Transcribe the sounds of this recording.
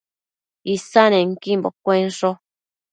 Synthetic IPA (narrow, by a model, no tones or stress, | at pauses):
isanẽŋkimbokʷenʂo